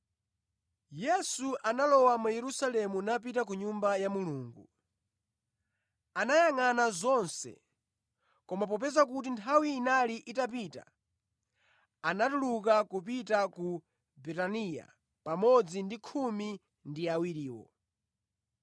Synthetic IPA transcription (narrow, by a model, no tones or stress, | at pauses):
jɛsuʔanalɔwamajɛɾusalɛmunap̬itak̬uɲumbajamuluːŋɡu | anajaŋanazɔnsɛ̰ | kɔmap̬ɔp̬ɛzak̬ut̬intʰawiːnaliʔitap̬ita̰ | anatuluk̬akupitaku | bɛtanija̰ | pamɔd͡zindikʰumi | ndiawiɾiːwɔ̰